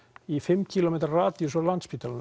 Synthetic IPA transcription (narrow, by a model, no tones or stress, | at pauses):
ifɪmːcʰilomet̪rraːt̪iusawlant̪spiːt̪aln